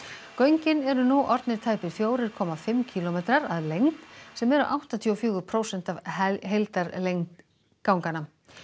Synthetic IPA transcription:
kœɥɲcɪnɛɾʏnuʔɔɾt̪nɪɾt̪ʰaːjpɪɾ̥fjoːwɾɪɾkʰɔːmafɪmcʰiːlɔmejt̪ɾaɾaðlejŋt̪sɛmɛɾʏ̰ʔawht̪ant̪ʰiɔfjʏːɣʏpʰɾowsɛn̥t̪avɦejlt̪aɾlejŋt̪ | kawŋkana

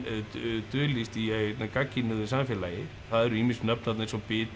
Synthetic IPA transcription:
t̪ʏːlist̪iht̪nakacːinʏðʏsamfjɛːlajɪ | θaðɛɾʏiːminst̪nœpnat̪naensɔpɪːt̪

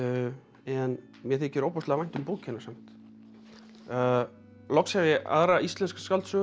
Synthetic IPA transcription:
ɛn | mjɛθɛcɪɾowpɔst̪lavajn̥t̪ʏmpoːchɪnːḁɾsam̥t̪ | lɔksjavɪʔa̰ðɾaist̪lɛnskḁskalt̪sœɣ

